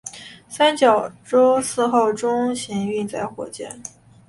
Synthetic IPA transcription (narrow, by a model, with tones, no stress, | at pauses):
sa˥nt͡ɕjɑ˨˩ʊʈ͡ʂo˥ʊsɹ̩˥˧xo˥˩ʊʈ͡ʂʊ˥ŋɕi˧˥ŋy˥˧t͡sa˥˩ɪxwɔ̰˨˩t͡ɕjɛ̰˥˩n